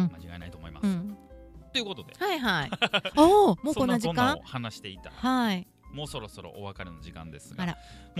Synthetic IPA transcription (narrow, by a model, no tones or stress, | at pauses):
ɯ̃mat͡ɕiɡaenait̪oːmo̞imasɯ̃ɨ̃t̪o̞iɯ̟ko̞t̪o̞d̪e̞haiɦaiomoːskonːaʑinkãohanaɕi̥t̪e̞it̪ahai | mo̞ːso̞ɾo̞so̞ɾo̰ʔoβakaɾʲenoʑikã̰nd̪e̞sɨɡaɾam